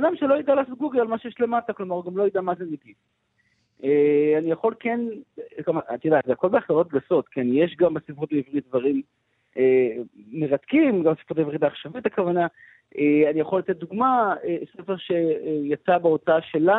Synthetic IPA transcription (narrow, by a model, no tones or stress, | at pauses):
bad̪amʃelo̞jid̪alaːso̞t̪̚ɡuɡelalmaʃejeʃle̞mataklo̞maʁɡamlojid̪amazenikis | ʔeanijaχo̞lkenkamat̪jed̪azeako̞lbeaχlalo̞t̚ɡaso̞t̪keanjeʃɡambesifʁot̪beivʁit̪̚dvaʁim | eːe̞ʁat̪kimɡambsi̥fʁot̪aivʁitdaːχʃavitakavana | ʔeanijaχo̞lat̪et̚d̪uɡmaesefeʁʃe̞jat͡sabeo̞taaʃe̞la